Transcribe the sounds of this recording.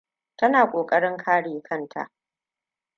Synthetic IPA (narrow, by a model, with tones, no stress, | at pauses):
tɐ˦naː˨kʷʼoː˨kʼɐ˦ɽɪ˦ŋkʰaː˦ɽeː˨kʰɐ˦˨ntʰa̰˨ʔ